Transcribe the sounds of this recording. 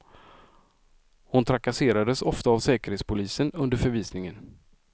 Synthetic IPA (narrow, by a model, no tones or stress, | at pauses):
hʊnt̪ʰɾakaseːɾad̪əsɔft̪aːvsɛːkəɾheːt̪spʰʊliːsənɵnd̪əɾfœɾviːsnɪŋən